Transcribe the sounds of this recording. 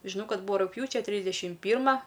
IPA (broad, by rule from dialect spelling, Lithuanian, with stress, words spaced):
ʒʲɪˈnɐʊ ˈkɐt ˈbuːʋɐ rʊkˈpʲjuːt͡ʃʲɛ ˈtʲrʲiːzʲdʲɛʃʲɪm ˈpʲiːrmɐ